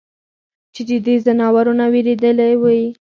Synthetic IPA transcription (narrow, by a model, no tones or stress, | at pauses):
t͡ʃed̪əd̪ezanɑwaɾunaweɾed̪əlawaj